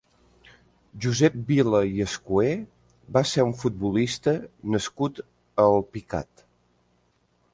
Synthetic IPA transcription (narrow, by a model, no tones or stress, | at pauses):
ʒuzɛp̚biləjəskue | baseɾuɱfut̪̚bulist̪ənəskut̪ | əlˠpika̰t̪